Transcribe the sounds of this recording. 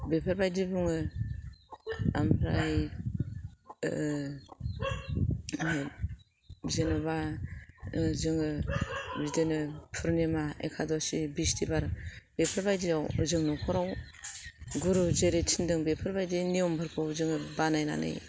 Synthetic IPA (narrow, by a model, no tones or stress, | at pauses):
bepʰaɾbajdibuŋɯ | a̰mpʰɾaj | zenɔba | zɯŋɯbidenɯpʰɯɾnemaḛkʰadɔsibistʰibaɾbepʰaɾbajdiawzɯŋnɔkʰɔɾaw | ɡuɾuzeɾetʰindɯŋbepʰɯɾbajdiniɔmbʱaɾpʰɔzɯŋɯbanajna̰nɯ̰j